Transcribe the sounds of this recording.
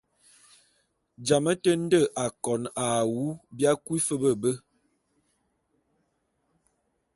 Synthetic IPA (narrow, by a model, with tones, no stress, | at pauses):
d͡ʒa˨mə˦tə˦n̩˦də˦˨ʔa˨kɔ˨na˨wu˦bja˦kwi˦fə˦bə˦˨bə˦